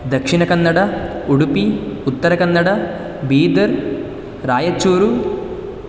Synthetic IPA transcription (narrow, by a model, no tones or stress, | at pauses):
d̪ɐkʂinɐkɐnːɐɽɐuɽupiut̪ːɐɾɐkɐnːɐɽɐ | biːd̪ɐɾ | ɾaːjɐt͡ʃːoːɾu